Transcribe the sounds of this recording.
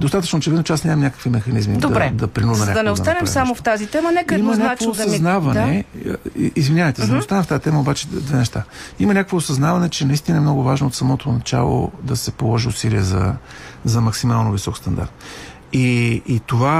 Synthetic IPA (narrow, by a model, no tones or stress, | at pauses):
d̪ost̪at̪ə̥t͡ʃnot͡ʃɛvid̪not͡ʃɛasnʲamɐmnʲakə̥kvimɛxɐnizmid̪ɛd̪ɐpɾinud̪ɐmnʲaɐnɛost̪anɛmsamoft̪azit̪ɛmənɛkəɛdimɐznʲaakvoːɐznavɐnɛ̰iizvinʲavəjt̪ɛzɐd̪ɐost̪anɛft̪ait̪ɛməobat͡ʃɛd̪vɛnɛʃt̪aimɐnʲakəkvoːsɐznavɐnɛt͡ʃɛnɐist̪inəɛmnɔɡʊvaʒnoːt̪sɐmɔt̪ʰonɐt͡ʃa̰lˠo̰d̪ɐsɛpolˠɔʒiʊsiliɛzɐ̰ | zɐmɐksimalˠnovisɔkst̪ɐnd̪a̰ɾt̪̚ | iːt̪ova